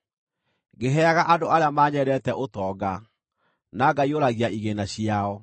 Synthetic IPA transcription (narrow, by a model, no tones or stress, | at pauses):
ɡeɦɛaɣaʔadoaɾeamaɲɛɾɛtɛʔotɔːɡa | naɡaioɾaɣiaʔiɣenaɕiaɔ